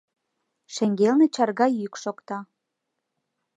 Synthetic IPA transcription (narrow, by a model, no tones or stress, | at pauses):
ʃeŋɡelnĕt͡ɕɑrɣɑjykʃokt̪ɑ